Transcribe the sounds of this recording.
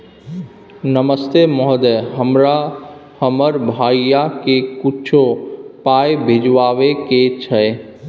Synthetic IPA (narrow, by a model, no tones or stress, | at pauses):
nəməst̪emɔɦd̪ɛɦəmɾahəməɾbʱaijakekut͡ʃʰopajbʱed͡ʒʋaʋeket͡ʃʰə